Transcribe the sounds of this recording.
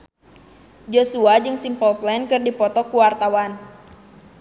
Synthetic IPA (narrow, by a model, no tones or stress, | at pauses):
d͡ʒosuad͡ʒɨŋsimpɔlplɛnkɨrdipɔt̪ɔkuwart̪awan